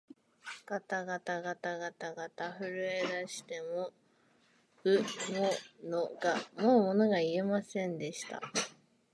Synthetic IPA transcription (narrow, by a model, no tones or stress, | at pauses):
kat̪aɡat̪aɡat̪aɡat̪aɡat̪aɸɯ̟ɾɯ̟e̞d̪aɕi̥t̪e̞mo̞ | ɯ̟monoɡamo̞ːmo̞no̞ɡaie̞masẽ̞nd̪e̞ɕi̥t̪a̰